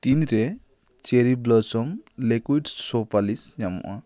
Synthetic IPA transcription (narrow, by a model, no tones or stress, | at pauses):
t̪inɾe | t͡ʃeɾiblɔsɔmlekwiɖsɔpʰalisɲamɔ̰ʔa